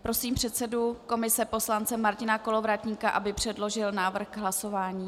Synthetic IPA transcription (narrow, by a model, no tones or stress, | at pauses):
pɾo̞siːmpr̝̥ɛt̪sɛduko̞mɪsɛpo̞slant͡sɛmaɾcɪnako̞lo̞vɾat̪ɲiːkaʔabɪpr̝̥ɛdlo̞ʒɪlnaːvr̩xɡɦlaso̞vaːɲiː